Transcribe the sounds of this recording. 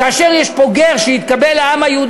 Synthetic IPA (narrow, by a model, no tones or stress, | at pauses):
kaːʃeʁjɛʃpo̞ɡeʁʃehit̪̚kabelaamajeud̪